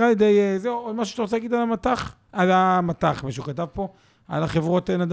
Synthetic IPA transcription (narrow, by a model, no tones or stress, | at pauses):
ʁaljed̪ejezeuod̪maʃ̬uʃat̪aʁot͡selaɡid̪alamat̪aχ | alamat̪aχmiʃeukat̪avpo̞ | a̰laχevʁo̞t̪enad̪